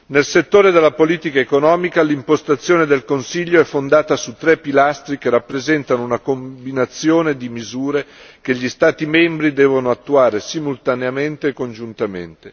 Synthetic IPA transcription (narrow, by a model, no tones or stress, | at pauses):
nelset̪ːoːɾed̪elːapoliːt̪ikaekonɔːmikalimpost̪at̪sːjoːned̪elkonsiʎːoɛfːond̪aːt̪asut̪ːɾɛpːilast̪ɾikerapːɾezɛnt̪anounakombinat̪sːjoːned̪imizuːɾek̟eʎːist̪aːt̪imɛmbɾid̪ɛːvonoat̪ːuaːɾesimult̪aneament̪eːkːond͡ʒunt̪amḛnt̪e